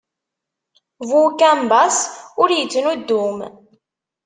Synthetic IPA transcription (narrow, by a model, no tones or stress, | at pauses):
vukæmbasʊɾjət͡sːənud̪ːum